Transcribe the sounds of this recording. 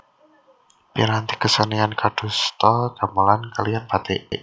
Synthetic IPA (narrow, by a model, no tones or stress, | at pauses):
piɾant̪i̥kəsəniankad̥ṳst̪ɔkamalankalianpat̪ḛʔeʔ